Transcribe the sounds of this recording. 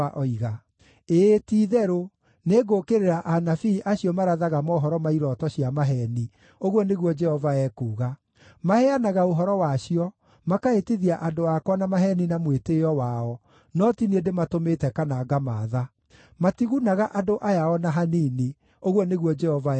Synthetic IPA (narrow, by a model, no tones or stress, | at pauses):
ʔɔiɣa | etiːðɛɾo | neɡokeɾeɾaʔanafiːʔaɕiɔmaɾaðaɣamɔɦɔɾɔmaiɾɔtɔɕiamaɦɛni | oɣwɔneɣwɔd͡ʒɛhɔvaɛkuːɣa | mahɛanaɣaoɦɔɾɔwaɕiɔ | makaetiðiaʔadoakwɔnamaɦɛninamweteɔwaɔ | nɔtiniedematometɛkanaːɡamaːða | matiɣunaɣaʔadoʔajaɔnaɦanini | oɣwɔneɣwɔd͡ʒɛhɔva